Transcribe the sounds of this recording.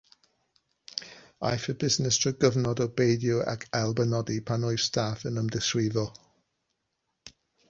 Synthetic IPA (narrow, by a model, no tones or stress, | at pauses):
a̰jfəbɪznɪstʰɔɡəvnɔdɔbejdjua̰kʰɛlˠbənɔdipʰanɔj̥stʰaːfənəmdɪswiːðɔ